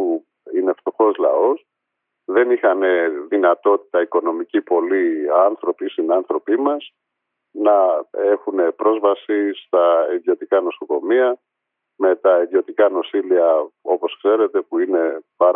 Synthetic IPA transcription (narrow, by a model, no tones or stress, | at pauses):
u | ine̞ft̪o̞xo̞zlɐ̰o̞s | ðe̞nixɐne̞ðinɐt̪o̞t̪i̥t̪ɐiko̞no̞micipo̞liɐnθɾo̞pist̪inɐnθɾo̞pimɐs | nɐe̞xune̞pɾo̞zvɐsist̪ɐiðjo̞t̪ikɐno̞so̞ko̞miɐ | me̞t̪ɐiðio̞t̪ikɐno̞siliɐo̞po̞skse̞ɾe̞t̪e̞puine̞pɐɾ